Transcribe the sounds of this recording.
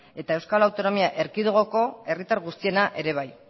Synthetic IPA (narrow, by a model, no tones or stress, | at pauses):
e̞t̪ae̞wskalawt̪o̞no̞miaʔe̞ɾkiðoɣo̞ko̞e̞rit̪aɾɣust̪ie̞naʔe̞ɾe̞β̞aj